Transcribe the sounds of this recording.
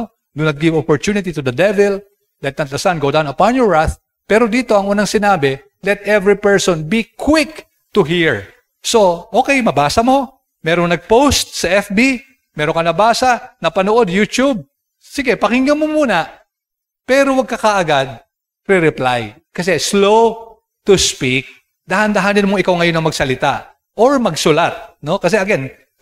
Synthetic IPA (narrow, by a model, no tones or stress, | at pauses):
d̪unɐt̪̚ɡɪvopɔɹt͡ʃ̪unɪt̪it̪ud̪ɐd̪ɛvɛl | lɛt̪̚nɐt̪lɐsanɡowd̪awnɐpanjɔɹɹaθ | pɛːɾod̪iːt̪o̞ɐŋʔuːnɐŋsɪnaːbɛ | lɛt̪ʔɛvɹipɛɹsonbikʰwɪk | t̪ʊɦiɹ | so̞ʔo̞ːkɛjmɐbaːsɐmo̞ | mɛːɾoŋnɐɡ̚powst̪̚sɐʔɛfbi | mɛːɾoŋkɐnɐbaːsɐnɐpɐnoʔo̞d̪̚jut̪ub̚ | siɡɛpɐhɪŋːɐmomuːnɐ | pɛːɾowɐɡ̚kɐkaʔɐɡad̪̚ | ɾɪɾɪpla̰j | kɐs̬ɛslow | t̪ʊspik̚ | d̪ɐhɐnd̪ɐɦanɪnmoʔɪkawŋɐjo̞nːɐŋmɐɡsɐlɪt̪a̰ | ʔoɹmɐɡsʊlat̪̚no̞kɐs̬ɛʔɐɡɛn